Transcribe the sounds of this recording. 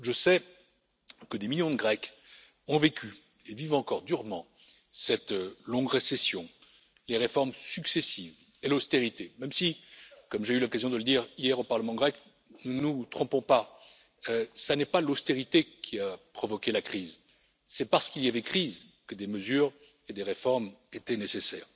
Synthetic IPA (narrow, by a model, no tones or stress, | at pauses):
ʒəsɛ | kəd̪emiljɔ̃d̪əɡʁɛk | ɔ̃vekʰʲy | evivɑ̃kɔʁd̪yʁmɑ̃ | sɛt̪lɔ̃ɡʁesɛsjɔ̃ | leʁefɔʁmsyksesiv | elost̪eʁit̪emɛmsikɔmʒeylɔkazjɔ̃d̪ələd̪iʁijɛʁopaʁləmɑ̃ɡʁɛk | nunut̪χɔ̃pɔ̃pa | øsanɛpalost̪eʁit̪ekʲʰiapχɔvɔkʲelakχiz | sɛpaʁsə̥kʲiljavɛkχiz | kəd̪eməzyʁ | ed̪eʁefɔʁmet̪ɛnesesɛ̰ːʁ